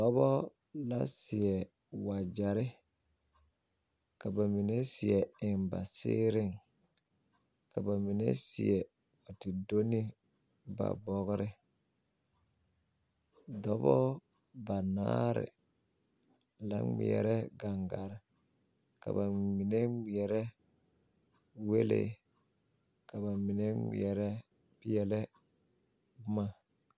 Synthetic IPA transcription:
dɔ˦bɔ˦ | la˦sɪ˨jɛ˨ | wa˨d͡ʒa˨ɾɪ˦ | ka˨ba˨mi˨ne˦si˨ɛ˨ɪ˨nba̰˨sɪ̰ː˦ɾɪ˦˨ŋ | ka˨ba˨mi˨nḛ˦si˨ɛ˨ | ɔ˨ti˨do˦ni˦ | ba̰˨bɔ˦ɣɾɪ˦ | dɔ˦bɔ˦ | ba˨na̰ː˦ɾɪ̰˨ | la˨˦ŋḭ˨ɛ̰˨ɾɛ˦ɡa˨ŋɡa˨ɾɪ˨ | ka̰˨ba˨mi˨ne˦ŋi˨ɛ˨ɾɛ˦ | we˦lḛ˨ | ka˨ba˨mi˨ne˦ŋḭ˨ɛ˨ɾɛ˦ | pi˦jɛ˨lɛ˦ | bʊ˦ma˨

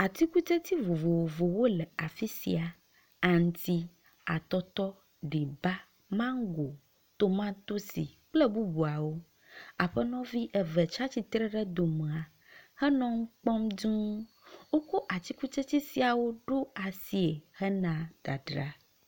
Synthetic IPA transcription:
a˨t̪i˦ku˦t͡ʃe˦t̪i˦vo˨vo˨wo˨vo˨wo˦lɛ˨a˨fi˦sḭ˨a˨ | a˨ŋ˨t̪i˦ | a̰˨t̪ɔ˦t̪ɔ˦ | ɖi˨ba˦ | mã˦ŋ˦ɡo˨ | t̪o˦mã˦t̪o˦sḭ˨k͡plɛ˦bu˦bu˨a˨wo˦ | a˨ɸɛ˦nɔ̃˦vi˦ʔɛ˨vɛ˨t͡ʃa˦t͡ɕi˨t̪ɾɛ˦ɖɛ˦d̪o˨m̃˨a˨ | hɛ˦nɔ̃˦ŋ̩˦k͡pɔ˦md͡ʒũ˦ | wo˦ko˦ʔa˨t̪i˦ku˦t͡ʃe˦t̪i˦si˨a˨wo˦ɖo˦a˨si˨e˨hɛ˦nã˨d̪̥a̰˨ɖɾa˦

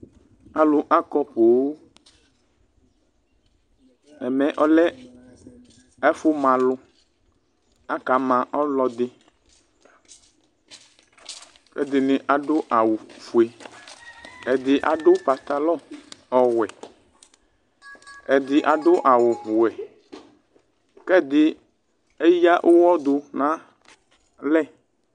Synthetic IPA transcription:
a˨lʊ˦ʔa˦kɔ˦po˨wo˦ | ɛ˨mɛ̃˨ʔɔ˦lɛ˦ | ɛ˦fʊ˦mã˨lʊ˦ | a˦ka˨˦mã˨ʔɔ˦lɔ˦d̪ɪ˦ | fḛ˦d̪ɪ˨nɪ̃˨ʔa˨ɖʊ˦ʔa˨wʊ˨fu˨e˨ | ɛ˨d̪ɪ˦ʔa˨ɖo˦pa˨t̪a˨lɔ˦ɔ˨wɛ˨ | ɛ˨d̪ɪ˨ʔa˨ɖʊ˦ʔa˨wʊ˨wɛ˨ | kɛ˦d̪ɪ˨ | e˦ja˦ʔo˦wɔ˦d̪o˨nã˦ | lɛ˦

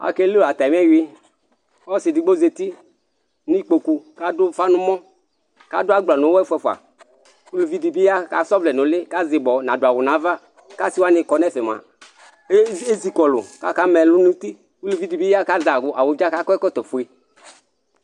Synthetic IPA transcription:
a̰˨ke˦lu˦la˨t̪a˨m˦ɛ˦wi˦ | ɔ˦sɪ˨di˨ɡ͡bo˦ze˧t̪i˦ | n˦k͡po˨ku˧ka˦dʊ˦fa˦nʊ̃˦mɔ̃˦ | ka̰˦dʊ˦a˦ɡ͡bla˨nʊ˨˦wɛ˦fɛ˧˦fu˨a̰˨ | ku˦lu˨vi˦di˨bi˦a˦ka̰˨˦sɔ˦vlɛ˨nʊ̃˨lɪ˦ka˦zɪ˨bɔ˨nã˨dʊ˨a˨wʊ˨na˨˦va˦ | ka˦si˦wa˦nɪ˧kɔ˨nɛ˦˨fɛ˨m˨a̰˨˦ | e˦zi˨kɔ˨lʊ̰˨ka˦ka˦mɛ˨lʊ˦nũ˦t̪i˦ | ku˦lu˨vi˦di˨bi˦a˦ka˦za˨ɡʊ˨ʔa˨wʊ˨d͡ʒa˦ka˦kɔ˦ɛ˦kɔ˦t̪ɔ˨fu˨e˨

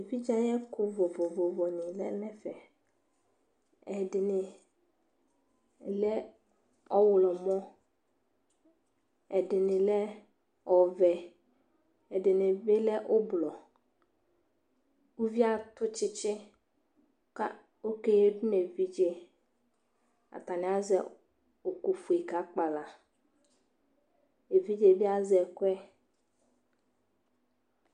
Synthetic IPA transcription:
vi˦d͡ʒa˦jɛ˦kʰʊ˦vo˨vo˨vo˨vɔ˨nɪ̃˨lɛ̰˦lɛ˦fɛ˨ | ɛ˨dɪ˨nɪ˨ | lɛ˦ | ɔ˦wʊ˨lɔ˨mɔ̃˦ | ɛ˨dɪ˨nɪ̃˨lɛ˦ | ɔ˨vɛ˨ | ɛ˨dɪ˨nɪ̃˨be˦lɛ˦ʔʊ˦blɔ˨ | wu˦vi˦a˨t̪ʊ˦t͡ʃɪ˦t͡ʃɪ˦ | ka˦ | o˦ke˦je˦dʊ˦ne˨vi˦d͡ʒe˦ | a̰˨t̪a˨nɪ̃˨˦a˦zɛ̰˨ | o˨ku˨fu˨i˨ka˦k͡pa˨la˨ | e˨vi˦d͡ʒe˨vi˦a˨zɛ˨kʊ˦ɛ˦

